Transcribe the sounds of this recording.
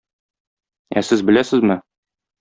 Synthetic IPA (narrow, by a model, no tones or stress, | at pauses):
æsɘzbɘ̆læsɘzmɘ